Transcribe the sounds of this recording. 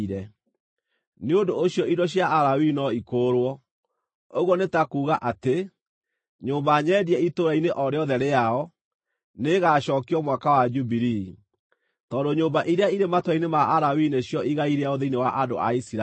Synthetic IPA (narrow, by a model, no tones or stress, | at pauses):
ɾɛ | neondooɕjɔidɔɕjaːɾawinɔikoːɾwɔ | oɣwɔnetakuːɣaʔate | ɲoːmbaɲɛːdiɛitoɾaineʔɔɾeɔðɛɾeaɔ | neɣaɕɔːkiɔmwakawad͡ʒubiɾi | tɔːndoɲoːmbaʔiɾeaiɾematwainemaʔaɾawineɕjɔʔiɣaiɾeaoðeinewaʔado̰a̰isiɾa